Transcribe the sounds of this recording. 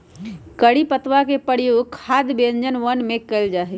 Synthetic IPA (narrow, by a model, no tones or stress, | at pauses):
kəɽipət̪wakepəɽ̤joɡ̚kʰad̪bend͡ʒənʋənmekəld͡ʒaɦɛ